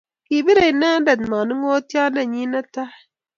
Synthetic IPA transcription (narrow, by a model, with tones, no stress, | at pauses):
ki˨bi˦ɾa˨i˨na˦da˨dma˨ni˦ŋo˦ti˦a˦na˨ɲi˦na˦ta˦˨